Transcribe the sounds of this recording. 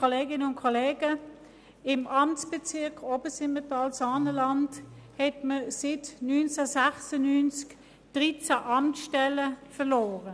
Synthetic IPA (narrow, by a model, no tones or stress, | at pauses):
koleːɡɪnəʊnkʰoleːɡə | ɪmɑmt͡sb̥ɛt͡sɪɐkobəsɪmətɑlsɑːnəlɑnthɛtməsɪtnyːnt͡sasæχsənynt͡sk | d̥ʁit͡saʔɑmtsʃtɛləfəlɔːʁə